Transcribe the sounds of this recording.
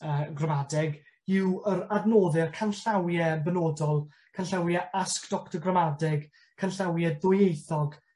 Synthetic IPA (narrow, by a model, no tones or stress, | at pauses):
əɡramadɛɡ | ɪwəɾadnoːðɪrkʰanɬawjɛbənoːdɔlˠ | kʰanɬawjɛaskd̥ɔktɔɡramadɛɡ | kʰanɬawjɛðʊjejθɔɡ